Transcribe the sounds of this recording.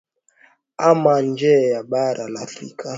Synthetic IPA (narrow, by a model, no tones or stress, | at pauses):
amand͡ʒɛjaɓaɾʔalafɾḭkʰa